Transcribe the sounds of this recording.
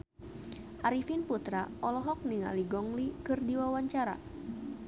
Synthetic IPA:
ʔaɾifinput̪ɾaʔɔlɔɦɔk̚niŋa̰liɡɔŋlikɨrdiwawaɲt͡ʃaɾa̰

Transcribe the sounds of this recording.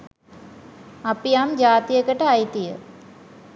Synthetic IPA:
apijamd͡ʒaːt̪ijəkəʈəajt̪ijə

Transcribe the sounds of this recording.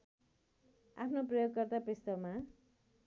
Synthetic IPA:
a̰pʰnoprʌjoɡkʌrt̪apest̪ʌma

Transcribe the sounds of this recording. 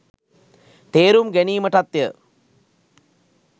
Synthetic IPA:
t̪eːɾumɡæniːməʈat̪jə

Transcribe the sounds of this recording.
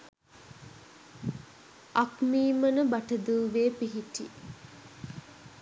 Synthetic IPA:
akmiːmənəbaʈəd̪uːʋeːpiɦiʈḭ

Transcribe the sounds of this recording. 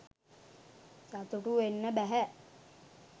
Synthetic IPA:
sat̪uʈuʋenːəbæɦæ

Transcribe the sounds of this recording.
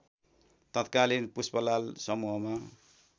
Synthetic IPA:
t̪ʌt̪kalinpuspʌlalsʌmuɦʌma

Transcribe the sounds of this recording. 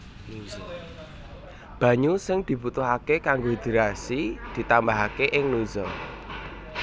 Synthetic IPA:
b̥ä̤ɲusɪŋd̪̥i̤but̪ʊɦakekaŋɡod̪̥i̤ɾasid̪̥i̤t̪ambaɦakeʔɪŋnuzɔ

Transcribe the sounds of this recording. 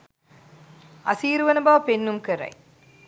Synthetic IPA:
ɐ̰siːɾʋɐnɐbaːpenːɯmkɐɾɐ̰ɪ

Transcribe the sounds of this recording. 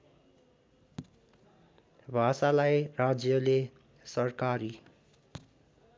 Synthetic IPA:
bʱasalajrad͡zjʌle | sʌrkaɾi

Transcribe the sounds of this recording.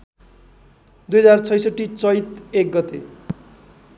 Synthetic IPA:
d̪ujʌd͡zart͡sʰʌjsʌʈːit͡sʌjt̪ek̚ɡʌt̪ḛ

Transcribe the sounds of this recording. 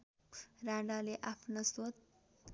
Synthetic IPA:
raɖaleʔapʰnosot̪̚

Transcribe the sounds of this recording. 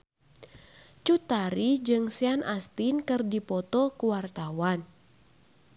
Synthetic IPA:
t͡ʃut̪aɾid͡ʒɨŋsianʔast̪inkɨrdipɔt̪ɔkuwart̪awan

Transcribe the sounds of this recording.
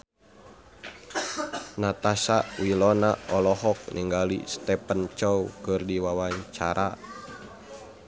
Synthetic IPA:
nat̪asaʔwilɔnaɔlɔɦɔk̚niŋɡalḭst̪ɛpənt͡ʃɔkɨrdiwawaɲt͡ʃaɾʔa

